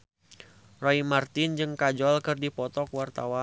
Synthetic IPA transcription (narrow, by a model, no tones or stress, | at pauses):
rɔimart̪ɪnd͡ʒɨŋkad͡ʒɔlkɨrdipɔt̪ɔkwart̪awa